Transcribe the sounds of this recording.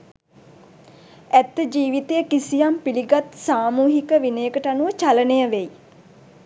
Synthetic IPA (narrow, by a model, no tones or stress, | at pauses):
æt̪ːəd͡ʒiːʋit̪ejəkisijampiliɡat̪saːmuːɦikəʋinəjəkəʈəanuʋət͡ʃalənejəʋej